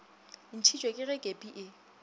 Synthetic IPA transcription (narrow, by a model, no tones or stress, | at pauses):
n̩t͡ʃʰit͡ʃʼwekʼɪɣɛkʼepʼiʔɪ